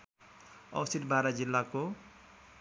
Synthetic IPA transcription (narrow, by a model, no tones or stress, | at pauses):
ʌ̰wsid̪bʱaɾad͡zilːako